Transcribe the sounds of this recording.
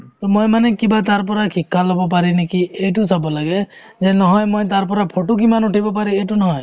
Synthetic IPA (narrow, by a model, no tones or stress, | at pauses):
t̪ɔmojmanɛkibat̪̬aɹp̬ɔɾakʰikʰːalɔbɔp̬aɾinekiejtusɔbɔlaɡe | zɛnɔɦɔjmojt̪aɹpɔɾapʰoʈuk̬imanuʈʰibɔpaɾiejtunɔɦɔj